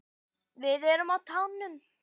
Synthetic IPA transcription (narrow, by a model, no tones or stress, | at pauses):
vɪðɛɾʏmawt̪ʰaːwnːʏm